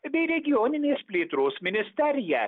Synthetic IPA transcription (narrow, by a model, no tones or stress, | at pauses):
bʲɛɪɾʲɛɡʲɪjɔːnʲɪnʲeːspʲlʲeːt̪ɾoːsmʲɪnʲɪsʲt̪ʲɛɾʲɪjæː